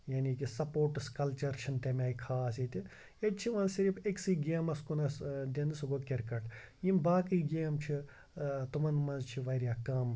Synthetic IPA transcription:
jaːnikisɐpoːɾʈskɐlt͡ʃɐɾt͡ʃʰint̪emʲaːikʰaːsit̪ʲi | jet͡ʃʰiʋɐ̃nzsiɾipeksiːɡeːmɐskunɐsd̪ʲend̪ɨsuɡokʲeɾkɐʈjimbaːkiːɡeːmt͡ʃʰi | t̪umɐnmɐnzt͡ʃʰiʋɐɾʲjaːkɐm

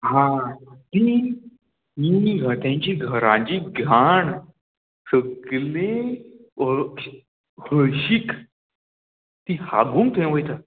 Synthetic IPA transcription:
ɦãt̪i | miɡʱəʈ̪ãɲt͡ɕiɡʱəɾãt͡ɕiɡʱaɳ | səɡlẽ | həɕik | t̪iha̰ɡũŋt̪ʰẽʋəjt̪a

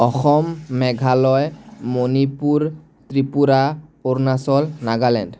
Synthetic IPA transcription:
ɔxɔmːɛɡʱalɔjmonipuɹ | tɹipuɾaoɾnasɔlnaɡalɛ̰nd

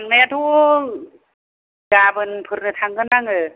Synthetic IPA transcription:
aŋnajat̪ʰu | ɡabɯnpʰɯɾnɯt̪ʰaŋɡɯnaŋɯ

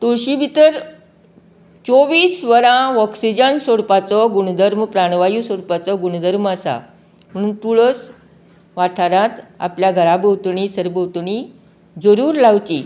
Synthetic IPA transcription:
t̪uɭɕibʱit̪əɾ | t͡soʋiːsʋəɾãɔksid͡ʑənsoɽpat͡sɔɡuɽd̪ʱəɾmpɾaɽ̃ʋajusoɽpat͡sɔɡuɽd̪ʱəɾməsa̰ | m̤əɽ̃uːnt̪uɭəs | ʋaʈʰaɾãt̪a̰pljaɡʱəɾabəwt̪ɳiːsəɾbəwt̪ɳi | d͡zəɾuːɾlawt͡ɕi

